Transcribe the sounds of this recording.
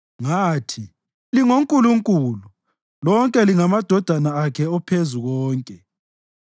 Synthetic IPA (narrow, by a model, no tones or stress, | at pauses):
ŋaːtʰi | liŋoŋkʼuluŋkʼulu | lɔŋkʼɛliŋamad̥ʱɔd̥ʱanaakʰɛɔpʰezuɣɔːŋkʼɛ